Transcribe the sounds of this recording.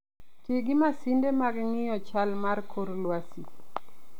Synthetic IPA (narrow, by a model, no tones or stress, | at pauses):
tɪɡɪmasindemaɡŋɪjɔt͡ʃalmarkʰoɾlwasi